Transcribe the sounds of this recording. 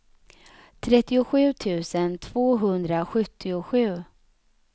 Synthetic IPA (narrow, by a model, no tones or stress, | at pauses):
t̪ʰɾɛt̪ːɪʊɧʉ̟ːt̪ʰʉ̟ːsənt̪ʰv̥oːɦɵnd̪ɾaɧɵt̪ʰːɪʊɧʉ̟ː